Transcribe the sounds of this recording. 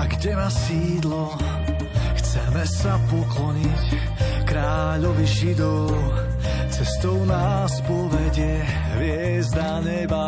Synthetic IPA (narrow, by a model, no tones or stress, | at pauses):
aɡɟɛmasiːd̪lɔ | xt͡sɛmɛsapɔklɔɲic | kɾaː | ʎɔʋiʒid̪ɔw | t͡sɛst̪ɔʊnaspɔʋɛɟɪɛ | ɦʋɪɛ | zd̪aɲɛba